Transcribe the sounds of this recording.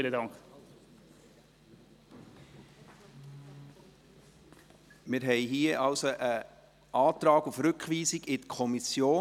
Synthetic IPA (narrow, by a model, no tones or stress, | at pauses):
lədɑŋk | mɪɾɦɛɪɦiːəʔɑlsoʔə | ʔɑːt̪ɾɑːɡufɾʏkχʋiːsiɡɪtkʰɔmisjoː